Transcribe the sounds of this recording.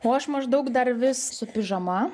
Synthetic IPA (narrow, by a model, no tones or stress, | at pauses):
oːɐʃmɐʒd̪ɐʊkd̪ɐɾʋʲɪssʊpʲɪʒɐmɐ